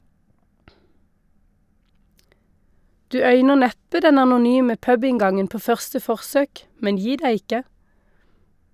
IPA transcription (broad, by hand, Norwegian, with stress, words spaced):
ˈdʉː ˈœʏnəʁ ˈnɛpə ˈdɛn ɑnʊˈnyːmə ˈpœbɪŋˌɡɑŋən ˈpoː ˈfœʁstə ˈfɔʁsøːk ˈmɛn ˈjiː ˈdæɪ ˈɪkə